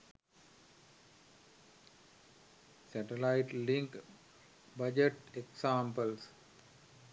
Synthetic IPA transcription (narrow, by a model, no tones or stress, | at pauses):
sæʈelaiʈliŋk | bɐd͡ʒeʈeksaːmpəls